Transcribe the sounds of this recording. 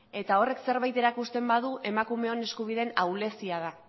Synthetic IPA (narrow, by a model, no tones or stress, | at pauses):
e̞t̪ao̞re̞kse̞ɾβajt̪e̞ɾakust̪e̞mbað̞uʔe̞makume̞o̞ne̞skuβ̞ið̞e̞nawle̞siað̞a